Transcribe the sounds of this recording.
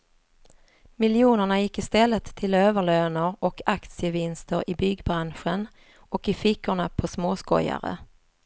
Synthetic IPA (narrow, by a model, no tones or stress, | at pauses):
mɪljuːnəɳajɪkːɪst̪ɛlːət̪ʰːɪløːvəɭøːnəɾʔɔkakt̪sɪəvɪnst̪əɾʔɪbʏɡbɾanɧən | ɔkɪfɪkʰːʊɳapʰɔsmoːskɔ̰ja̰ɾə̰